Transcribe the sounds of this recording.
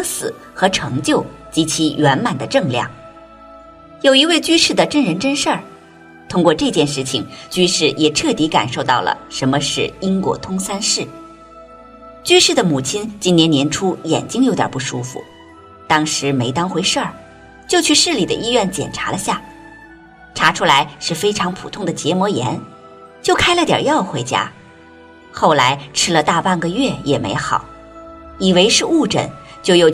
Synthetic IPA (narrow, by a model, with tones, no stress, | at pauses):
ŋsɹ̩˨˩˦ | xɤ˧˥ʈ͡ʂʰɤ˧˥ŋt͡ɕjo˥˩ʊt͡ɕi˧˥t͡ɕʰi˧˥ɥɛ˧˥nma˨˩nd̪ə˦ʈ͡ʂɤ˥˧ŋljɑ̰˥˩ŋ | jo˨˩ʊi˧˥we˥˩ɪt͡ɕy˥ʂɻ̩˥˩d̪ə˩ʈ͡ʂə˥nɻə˧˥nʈ͡ʂə˥nʂə˥˩ | t̪ʰʊ˥ŋkwɔ˥˧ʈ͡ʂɤ˥˧t͡ɕjɛ˥˧nʂɻ̩˥˩t͡ɕʰi˨˩ŋt͡ɕy˥ʂɻ̩˥˩jɛ˨˩ʈ͡ʂʰɤ˥˩t̪i˧˥ka̰˨˩nʂo˥˧ʊt̪ɑ˥˩ʊlə̰˩ʂə˧˥nmə˧ʂɻ̩˥˩i˥ŋkwɔ̰˧˥t̪ʰʊ˥ŋsa˥nʂɻ̩˥˩ | t͡ɕy˥ʂɻ̩˥˩d̪ə˩mu˨˩t͡ɕʰi˥nt͡ɕi˥njɛ˧˥njɛ˧˥nʈ͡ʂʰu˥jɛ̰˨˩nt͡ɕi˥ŋjo˧˥ʊt̪jɑ̰˨˩pu˥˩ʂu˥fṵ˧ | t̪ɑ˥ŋʂɻ̩˧˥me˧˥ɪt̪ɑ˥ŋxwe˧˥ɪʂə˥˩ | t͡ɕjo˥˧ʊt͡ɕʰy˥˩ʂɻ̩˥˩li˨˩d̪ə̰˦ʔi˥ɥɛ˥˩nt͡ɕjɛ̰˨˩nʈ͡ʂʰa˧˥lə˧ɕja˥˩ | ʈ͡ʂʰa˧˥ʈ͡ʂʰu˥la˧˥ɪʂɻ̩˥˩fe˥ɪʈ͡ʂʰɑ˧˥ŋpʰṵ˨˩t̪ʰʊ˥˩ŋd̪ə˩t͡ɕjɛ˧˥mwɔ˧˥jɛ̰˧˥n | t͡ɕjo˥˩ʊkʰa˥ɪlə˧t̪jə̰˨˩jɑ˥˩ʊxwe˧˥ɪt͡ɕja̰˥ | xo˥˩ʊla˧˥ɪʈ͡ʂʰɻ̩˥lə˧t̪a˥˧pa˥˩nɡə˨ɥɛ˥˩jɛ˨˩mḛ˧˥ɪxɑ˨˩˦ʊ | i˨˩we˧˥ɪʂɻ̩˥˧u˥˩ʈ͡ʂə̰˨˩˦n | t͡ɕjo˥˧ʊjo˥˩ʊ